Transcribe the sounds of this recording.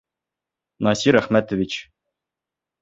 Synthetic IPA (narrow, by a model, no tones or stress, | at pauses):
nɑsʲiɾæχmʲæt̪ə̆vʲit͡ɕ